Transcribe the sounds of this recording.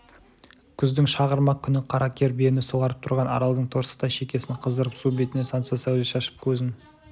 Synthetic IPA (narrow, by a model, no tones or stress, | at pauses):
kʲʰʏzd̪ɪŋʃɑʁəɾmɑqkʲʰʏnɪqʰɑɾɑkʲʰe̞ɾbenɪsoʁɑɾəp̚t̪ʰʊɾʁɑnɑ̰ɾɑlˠd̪əɴt̪ʰo̞ɾsə̥t̪ɑʃe̞kʲe̞sɪɴqʰəzd̪əɾəpsubet̪ɪne̞sɑnsɑsæwleʃɑʃə̥p̚kʲʰɵzɪn